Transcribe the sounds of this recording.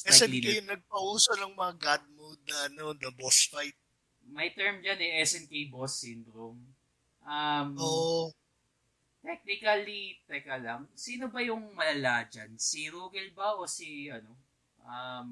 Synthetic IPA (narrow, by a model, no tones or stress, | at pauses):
ɛsɛiijnɐɡ̚pɐʔuːsɐnɐŋmɐŋaɡad̪̚mod̪̚nɐɐnonɐbosfajt̪̚ | mɐjt̪ɛɹmd͡ʒɐnɛʔɛsɛnkijbosːɪnd̪ɾom | ʔɐmoʔ | t̪ɛk̚nɪkɐlit̪ɛkɐlɐŋsiːnobɐjʊŋmɐlɐlaːd͡ʒɐnsiɾuːɡɛlbɐʔosiʔɐno̞ | ʔɐm